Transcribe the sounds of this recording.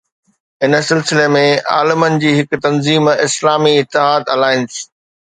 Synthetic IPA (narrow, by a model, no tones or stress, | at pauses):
ɪnə̆sɪlsɪlemẽa̰ːlɪmənɪ̆d͡ʑiːɦɪkt̪ɐnziːmɪslaːmiɪt̪ːɪɦaːd̪ɐlaːɪnɪ̆s